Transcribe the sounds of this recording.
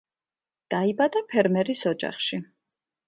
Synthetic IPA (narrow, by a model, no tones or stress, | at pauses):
d̪̥aibad̪apʰɛɾmɛɾisɔd͡ʒa̰χʃi